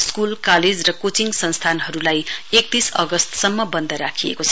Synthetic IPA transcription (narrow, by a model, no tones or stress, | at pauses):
skulkaled͡zrʌkot͡siŋɡsʌnst̪ʰanɦʌɾulajek̚t̪isʌɡʌst̪sʌmːʌbʌnd̪ʱʌɾakʰijḛkot͡sʰʌ